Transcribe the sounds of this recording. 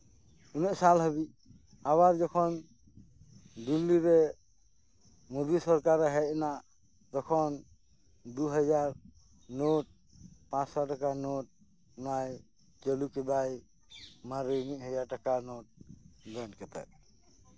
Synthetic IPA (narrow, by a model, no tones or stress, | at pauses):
unɛʔsalɦəβi | aβaɾd͡ʒɔkʰɔn | d̪ilːiɾɛ | mud̪isɔɾkaɾɛɦɛnaʔ | t̪ɔkʰɔn | d̪uɦɔd͡ʒaɾ | noʈ̚ | pãsaʈakanoʈ̚ | naj | t͡ʃɔlukɛd̪aj | maɾiniʔɦɔjaʈakanoʈ̚ɡankɛt̪ɛ̰ʔ̚